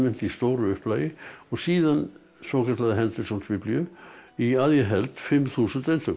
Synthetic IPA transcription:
mɪn̥t̪ist̪oːɾʏʏhplaːjɪɔsiːðan | sɔːkʰat̪laðɪɦɛnt̪əlsɔnsvɪpljøiaðjaɦɛlt̪fɪmθuːsənt̪ɛlt̪œ

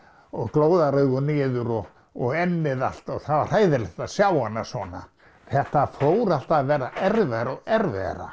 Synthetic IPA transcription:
ɔɣkloːwðaɾœɣʏnɪːðʏɾɔɣ | ɔɣɛnːɪða̰l̥t̪ɔɣθavar̥haːjðɪɾlɪht̪asjawanːasvɔːna̰ | θɛht̪afoːwɾal̥t̪aðvɛːɾaʔɛɾvɛɾɔɣɛɾvɛ̰ɾa̰

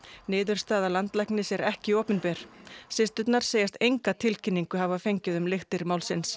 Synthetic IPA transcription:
nɪːðʏɾ̥st̪aːðalant̪lajhknɪsjɛɾɛhcɪoːpɪnpɛːɾ̥sɪst̪ʏt̪naɾ̥seːjast̪ejŋkat̪ʰɪlcʰɪnːiŋkʏɦavafejɲcɪðʏmlɪxt̪ɪɾmaːwlsɪns

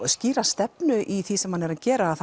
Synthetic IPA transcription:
sciːɾast̪ɛpnʏʔiθisɛmhanːɛɾaðcɛːɾaːðθ

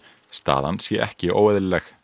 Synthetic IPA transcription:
st̪a̰ːðansjɛʔɛhcɪʔo̰ːwɛðɪllɛx

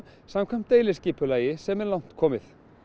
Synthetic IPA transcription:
samkʰvɛjm̥t̪ejlɪsciːpʏlaːjɪsɛmɛlawn̥t̪kʰɔːmɪθ

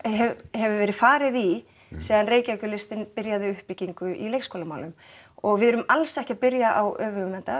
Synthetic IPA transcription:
hɛhɛvʏvɛːɾɪðfaːɾɪði | sɛːðanreːjcakʏlɪst̪ɪnpɪɾjaðɪʏhpɪciŋkʏʔilejkskowlamaːwlʏm | ɔɣvɪðɾʏmalsɛhcɪapɪɾjaʔawœːvʏɣʏnɛnt̪a

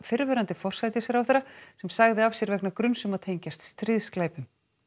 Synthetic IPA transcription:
fɪɾvɛɾant̪ɪfɔr̥sajt̪ɪsɛɾawfθɛɾːasɛmsaɣðɪav̥sjɛɾvɛknakɾʏnsʏmaðt̪ʰejɲcast̪st̪ɾɪðsklaːjpʏm

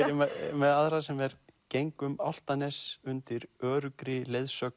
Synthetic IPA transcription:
mɛðaðɾasɛmɛɾcejŋkʏma̰wl̥t̪anɛsʏnt̪ɪɾœːɾʏkɾɪlejðsœk

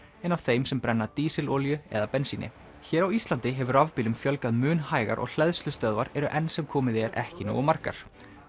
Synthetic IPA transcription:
ɛnavθejmsɛmpɾɛnːat̪iːsɪloːljʏɛ̰ðapɛnsinɪ̰ | çɛːɾawist̪lant̪ɪɦɛvʏɾavpiːlʏmfjœlkaðmʏːnhaːjɣa̰ɾʔɔ̰ɣl̥ɛðslʏst̪œðvaɾɛɾʏʔɛnsɛmkʰɔːmɪðɛɾʔɛ̰hcɪno̰ːɣmar̥ka̰ɾ̥

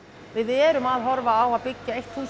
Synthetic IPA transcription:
vɪðɛːɾʏmaðɦɔɾvaːwaðpɪcːaejht̪θuːs

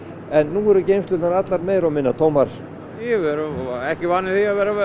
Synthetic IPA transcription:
ɛnːuːɛɾʏcejmsʏt̪anat̪laɾmeːjɾawmɪnːat̪ʰoːwmaɾ̥ | jɛvɛɾʏɛhcɪvaːnːɪθiaðvɛːɾa

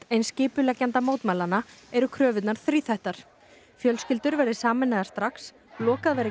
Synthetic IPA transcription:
t̪ejnscɪːpʏlɛcːant̪amoːwt̪maːlanːaɛɾʏkʰɾœːvɪt̪naɾ̥θɾiːθajht̪aɾ̥ | fjœlscɪlt̪ʏɾvɛɾðɪsaːmɪnːaðaɾst̪ɾaks | lɔːkaðvɛːɾɪ

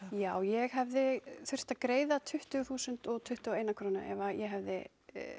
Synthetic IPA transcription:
jaːwjɛɣhɛvðɪθʏr̥t̪akɾeːjðat̪ʰʏht̪ʏθuːsʏnt̪ɔɣt̪ʰʏht̪ʏaeːjnakʰɾownʏ̰ʔɛ̰vajɛɦavðɪ̰

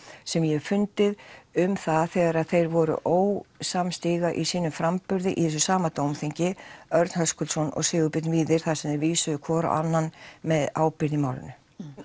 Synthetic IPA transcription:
sɛmjɛɣfʏnt̪ɪðʏmθaðθɛːɣaɾaðθejɾvɔɾʏ̰ʔoːwsamst̪iːɣaʔisiːnʏmfɾampʏɾðɪʔḭθɛs̬ʏsaːmat̪owmθiɲcɪœɾt̪nhɦœskʏlsɔnɔ̰ɣsɪːɣʏpɪt̪nviːðɪɾ̥θasɛmðɪɾviːsʏðʏkʰɔːɾa̰ʔa̰nːanmɛðaːwpɪɾðɪmaːwlɪ̰nʏ

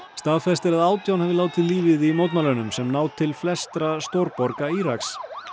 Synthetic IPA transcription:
st̪aːðfɛst̪ɛɾɛðaːwt̪jawnhɛvɪlaːwt̪ʰɪliːvɪðimowt̪nalœnʏmsɛmnaːwt̪ʰɪlflɛst̪ɾast̪owɾpɔɾkaiɾaks

